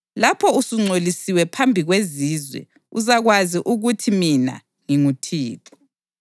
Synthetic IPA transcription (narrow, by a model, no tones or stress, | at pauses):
lapʰɔusuŋ͡ǀolisiwɛpʰambʱiɣweziːzwɛ̰ | uzaɣwaziʔuɣutʰimina̰ | ŋiŋutʰiːtʰɔ̥